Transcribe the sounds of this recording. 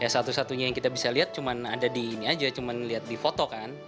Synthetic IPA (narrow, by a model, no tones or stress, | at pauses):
jasat̪usat̪uɲajaŋkit̪abisaliɦat̪̚t͡ʃumanadadiːniad͡ʒat͡ʃumanliat̪̚difot̪okan